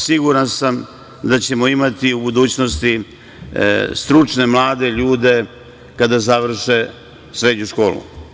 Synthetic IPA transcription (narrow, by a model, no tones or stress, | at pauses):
siɡuɾansam | d̪at͡ɕe̞mo̞imat̪iubud̪uːt͡ɕno̞st̪i | st̪ɾut͡ʂne̞mlˠaːd̪e̞ʎuːd̪e̞ | kad̪azaʋr̩ʃe | sɾe̞d̪ɲuʃko̞ːlṵ